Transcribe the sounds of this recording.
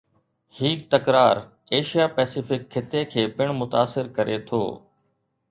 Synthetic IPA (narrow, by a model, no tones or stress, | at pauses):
hiːkt̪ɐkɾaːɾ | eːʃijaːpɛːsɪfɪkʰːɪt̪ekʰeːpɪɽ̃mʊt̪aːsɪɾkɐɾʔet̪ʰo̰ː